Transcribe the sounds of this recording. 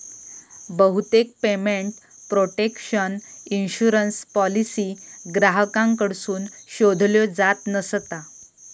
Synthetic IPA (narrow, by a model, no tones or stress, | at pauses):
bəɦut̪ek̚pemeɳʈ | pɾoʈekɕəninɕuɾənspɔlisiːɡɾaɦəkãŋkəɽsuːnɕod̪ʱljɔd͡zat̪nəst̪a